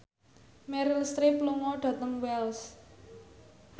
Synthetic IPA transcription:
mɛɾəlst̪ɾipluŋɔɖ̥ä̤t̪əŋwɛls

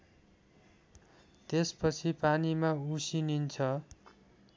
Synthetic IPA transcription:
t̪espʌt͡sʰipanimausinint͡sʰʌ

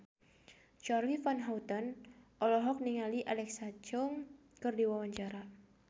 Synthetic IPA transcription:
t͡ʃarlifanɦaut̪ɔnɔlɔɦɔk̚niŋaliʔalɛksat͡ʃɔŋ | kɨrdiwawaɲd͡ʒaɾa

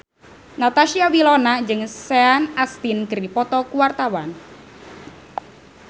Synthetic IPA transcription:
nat̪aʃiawilɔnad͡ʒɨŋseanast̪inkɨɾipɔt̪ɔkuwart̪awan

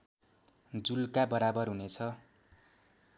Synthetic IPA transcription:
d͡zulkabʌɾabʌrɦunet͡sʰʌ

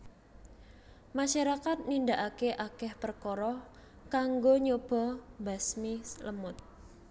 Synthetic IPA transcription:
maʃaɾakat̪̚nindaʔakeʔakɛhpərkɔɾɔ | kaŋɡoɲob̥ɔ̤basmisləmʊt̪̚

